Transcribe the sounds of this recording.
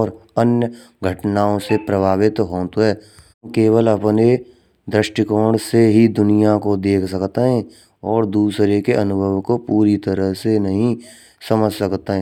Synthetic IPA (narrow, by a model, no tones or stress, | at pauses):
ɾənjə | ɡʱəʈnaːõsepɾəbʱaːʋɪt̪ɦoːt̪ɦɛː | keːwəlɐpne | d̪ɾɪʃʈikoːɽseɦid̪ʊnijakod̪eːkʰsəkt̪eɦɛ̃ | ɔːɾd̪uːsɾekeʔɐnʊbʱəʋkopuːɾit̪əɾəɦsenɐɦĩ | səməd͡ʒʱsɐkt̪eɦɛ̃